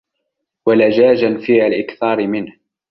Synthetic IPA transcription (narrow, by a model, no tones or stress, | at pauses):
walad͡ʒaːd͡ʒanfiːhalʔɪkθɑːɾɪmɪnh